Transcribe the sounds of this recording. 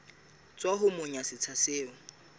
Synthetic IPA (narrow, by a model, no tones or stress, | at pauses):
t͡sʼwaɦʊmʊɲasɪt͡sʰaseːʊ